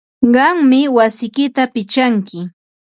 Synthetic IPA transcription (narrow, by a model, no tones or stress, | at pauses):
ɢɑŋmɪwasɪjkɪt̪apɪt͡ʃaŋkɪ